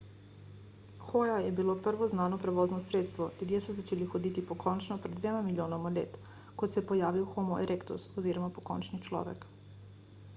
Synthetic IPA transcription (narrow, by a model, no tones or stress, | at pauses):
xojajɛbiloprʋoznaːnopɾeʋoznosɾeːt̪st̪ʋolʲud̪jesuzat͡ʃeːlixod̪it̪ipokʰont͡ʃnopɾɛd̪d̪ʋeːmamilʲjoːnomalʲeːt̪ | kot̪sepojaːʋiwxomoʔeɾʔekt̪ṵsoziːɾɔmapoko̰nt͡ʃnit͡ʃlɔ̰ːʋɛ̰k